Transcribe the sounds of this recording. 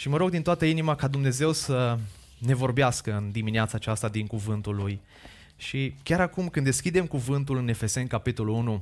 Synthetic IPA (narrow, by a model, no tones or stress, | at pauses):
ʃiməɾo̞ɡ̚d̪int̪oat̪əinimakad̪umne̞ze̞wsə | ne̞vo̞rbeaskəɨnd̪imineat̪saːt͡ʃast̪ad̪iŋkuvɨnt̪ulːuj | ʃikʲaɾakumkɨnd̪e̞skʲid̪e̞mkuvɨnt̪̬ulɨne̞fe̞se̞nkapit̪o̞lulunu